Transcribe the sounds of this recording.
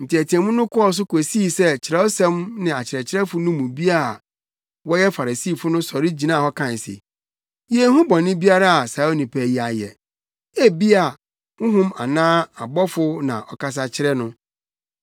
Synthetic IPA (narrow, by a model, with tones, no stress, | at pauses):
n̩˨tɪ˨ɛ˨tʰi˨ɛ̃˨mʊ̃˦nʊ̃˦kʰɔ˦˨s̬ʊ˦kʰo˨si˦˨sɛ˦t͡ɕʰɪ˨ɾɛ˦ɔ˦sɛ̃˦mnɪ̃˨a˨t͡ɕʰɪ˨ɾɛ˨t͡ɕʰɪ˦ɾɛ˦fʊ˦nʊ̃˦mũ˨bi˦a˦˨ | wɔ˦jɛ˦fa˨ɾa˨siː˦˨fʊ˦nʊ̃˦sɔ˨ɾɪ˦d͡ʑi˨nã˦˨hɔ˦kʰã˨n˨sḛ˨ | je˨˦hũ˦bɔ̃˨nːɪ̃˦bi˦a˦ɾa˦a˨sa˨˦o˦nĩ˨pʰɛ˨˦˨ji˦a˨jɛ̰˨ | e˦bi˦a˨ | ŋʊ̃˦ɦʊ̃˦ma˨nãː˦a˨bɔ˦fʊ˦nã̰˨ʔɔ˨ka˦s̬a˨t͡ɕʰɪ˦ɾɛ˦nʊ̃˦